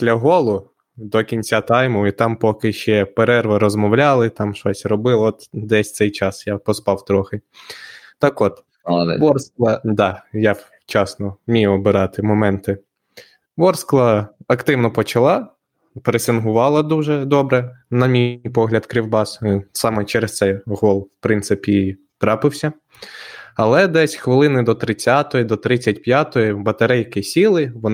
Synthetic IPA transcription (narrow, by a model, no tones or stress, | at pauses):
ʃlʲɐɦɔlˠʊ | d̪ɔkʲinʲt͡sʲat̪ɑjmʊit̪ɑmpɔkɪʃt͡ʃɛpeɾɛrʋɐɾɔzmɔwlʲɑlˠɪt̪ɑmʃɔsʲrɔbɪlˠɔt̪d̪ɛsʲt̪sɛjt͡ʃɑsjapɔspɑwt̪ɾɔxɪ | t̪ɑkɔt̪ | ʋɔrsklˠɐd̪ɑja | t͡ʃɑsnɔmʲijɔbɪɾɑt̪ɪmɔmɛnt̪ɪ | ʋɔrsklˠɐɐkt̪ɪwnɔpɔt͡ʃɐlˠɑ | peɾesʲɪnɦʊʋɑlˠɐd̪uʒɛd̪ɔbɾɛnɐmʲipɔɦlʲɐd̪kɾʲiwbɑssɑmɛt͡ʃɛɾest̪sɛjɦɔlˠwpɾɪnt̪sɪpʲi | t̪ɾɑpɪwsʲɐ | ɐlˠɛd̪ɛsʲxʋɪlˠɪnɪd̪ɔt̪ɾɪt͡sʲːɑt̪ɔjid̪ɔt̪ɾɪt͡sʲːɐtʲpjat̪ɔjibɐt̪ɐɾɛjkɪsʲilˠɪʋɔn